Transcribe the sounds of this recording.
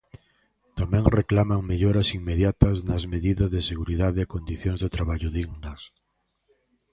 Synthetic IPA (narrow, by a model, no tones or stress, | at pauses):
t̪amɛ̃ŋreklamaŋmeʎoɾɐsiŋmeðjat̪ɐznɐzmeðiðɐzðeseɣuɾiðaðɪakond̪iθjõŋzðet̪ɾaβaʎʊðiɣnɐs